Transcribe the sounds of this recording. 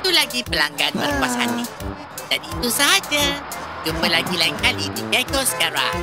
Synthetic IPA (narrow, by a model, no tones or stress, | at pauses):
iit̪ulaɡipəlaŋɡanbərkuasa̰ni | danit̪usaɦad͡ʒad͡ʒupəlaɡilaiŋkalidiɡakosə̥kaɾa̰ŋ